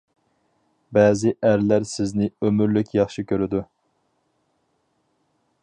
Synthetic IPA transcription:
bɛːzɪʔæɾlæɾsɪznɪømyɾlykʲjɑχʃɨkʲʰøɾɪd̪u

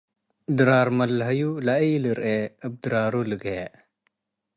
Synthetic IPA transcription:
d̪ɾaːɾmɐlɦɐjulaiːləɾeəb̚d̪ɾaːɾuləɡe

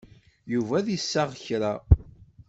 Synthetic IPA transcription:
juvæðsːaʁəçɾa

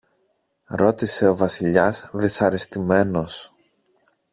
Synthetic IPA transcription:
ɾo̞t̪ise̞o̞vɐsiʎɐsðisɐɾist̪ime̞no̞s

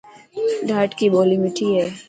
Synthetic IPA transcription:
ɖʱaːʈkiboːlimɪʈʰiɦɛ

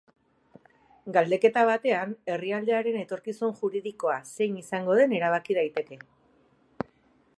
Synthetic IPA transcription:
ɡald̪e̞ke̞t̪aβ̞at̪e̞ane̞riald̪e̞aɾe̞ne̞t̪o̞ɾkisunʝuɾiðiko̞ase̞jnisaŋɡo̞ð̞e̞ne̞ɾaβ̞akið̞ajt̪e̞ke̞

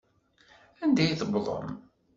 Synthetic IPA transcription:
ænd̪æjθəbðˤə̰m

